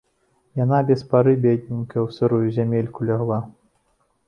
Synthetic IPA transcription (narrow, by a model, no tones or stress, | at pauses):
janabʲɛspaɾɨbʲɛd̪ʲnʲinkɐwsɨɾujɛzʲamʲelʲkulʲaɣlˠa